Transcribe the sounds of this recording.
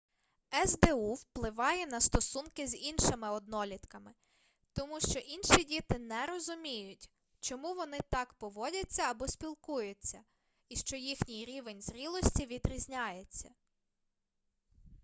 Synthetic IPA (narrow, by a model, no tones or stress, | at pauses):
ɛzd̪euwplˠɪʋɑjɛnɐst̪ɔsunkɪzʲinʃɪmɪɔd̪nɔlʲit̪kɐmɪ | t̪ɔmuʃt͡ʃɔʔinʃidʲit̪ɪnɛɾɔzʊmʲijʊtʲ | t͡ʃɔmuʋɔnɪt̪ɑkpɔʋɔdʲɐt͡sʲːɐːbɔsʲpʲilˠkujʊt͡sʲːɐ | iʃt͡ʃɔjixnʲijɾʲiʋe̞nʲzɾʲilˠɔsʲtʲiʋʲid̪ɾʲizʲnʲajet͡sʲːɐ